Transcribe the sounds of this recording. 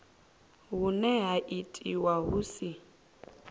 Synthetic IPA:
ɦunɛɦaʔitʼiwaɦusi

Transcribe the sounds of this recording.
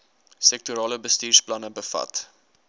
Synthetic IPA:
sɛk̚tuɾɑːləbəstiːrsplɐnəbəfɐ̰t

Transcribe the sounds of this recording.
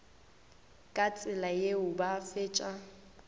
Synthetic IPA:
kʼat͡sʼɪlajeʊbafeːt͡ʃʼa

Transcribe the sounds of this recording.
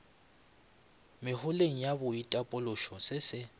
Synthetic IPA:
mɪhʊleŋ̩jabʊitʼapʼʊlʊʃɔsɪsɪ

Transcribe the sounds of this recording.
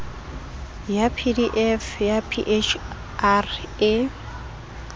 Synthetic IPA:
japʰidiʔɛfjapʰiʔet͡ʃʰ | are

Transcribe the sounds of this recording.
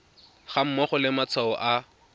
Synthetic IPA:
χam̩mɔχɔlɪmat͡sʰaɔʔa

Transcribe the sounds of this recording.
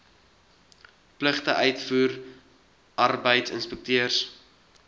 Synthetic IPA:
pləχtəʔœɥtfuːr | ʔɐrbəjtsə̰nspək̚tiərs

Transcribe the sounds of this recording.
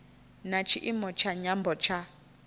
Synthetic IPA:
nat͡ʃʰiʔimɔt͡ʃʰaɲambɔt͡ʃʰa

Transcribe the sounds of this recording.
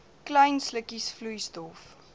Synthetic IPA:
kləjnsləkisflujstɔf

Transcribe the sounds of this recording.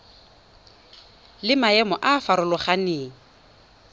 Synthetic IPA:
lɪmaɛmɔʔafaɾʊlʊχaneːŋ̩

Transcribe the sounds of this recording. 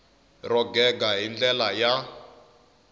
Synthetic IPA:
rɔɡɛɡaɦind͡ɮɛlaja

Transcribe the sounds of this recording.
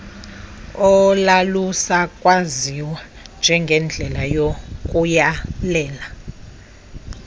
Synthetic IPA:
ɔlalusakʼwaziwa | nd͡ʒʱɛŋɡʱɛnd͡ɮʱɛlajokʼujalɛːla

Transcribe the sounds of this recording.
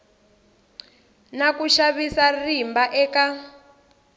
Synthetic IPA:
nakuʃaβisarimbaʔɛːka

